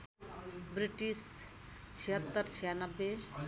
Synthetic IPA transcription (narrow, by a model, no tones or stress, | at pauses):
bɾiʈis | t͡sʰiɦət̪ːəɾt͡sʰijanəbːe